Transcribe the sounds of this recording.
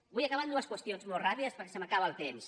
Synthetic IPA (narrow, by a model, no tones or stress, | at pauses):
bujakaβand̪uəskwəst̪ionzmolˠrapiðəspəɾkɛ̥səmakaβəːlˠt̪ems